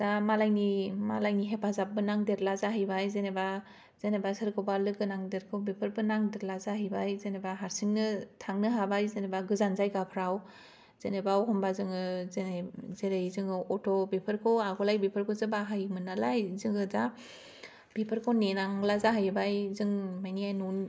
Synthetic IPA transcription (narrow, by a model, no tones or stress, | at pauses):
z̥amalajnimalajniɦepʰazap̚bɯnaŋdeɾlazaɦajbajzeneba | z̥enebasɯɾkʰɔbalɯɡɯnaŋdeɾkʰobepʰɯɾbɯnaŋdeɾlazaɦajbajzenebaɦaɾsiŋnɯtʰaŋnɯɦabajzenebaɡɯzanzajɡapʰɾaw | z̥enebawɦɔmbazɯŋɯzenezeɾajzɯŋɯɔtʰɔbepʰɯɾkʰɔaɡɔlajbepʰɯɾkʰɔzɯbaɦajmɯnalajzɯŋɯda | b̥epʰɯɾkʰɔwnenaŋlazaɦajbajzɯŋmajniajnun